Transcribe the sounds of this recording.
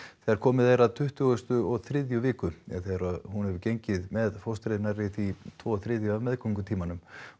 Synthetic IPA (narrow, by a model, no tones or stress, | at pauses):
θɛðaɾ̥kʰɔːmɪðejɾaðt̪ʰʏht̪ʏɣʏst̪ʏɔɣθɾɪːðjʏvɪːkʏɛθɛðaɾahɦunhɛvʏɾcejɲcɪðmɛðfowst̪ɾɪðɪnaɾɪθit̪ʰvɔːθɾɪːðjʏavmɛðkʰɔŋkʏt̪ʰiːmanʏm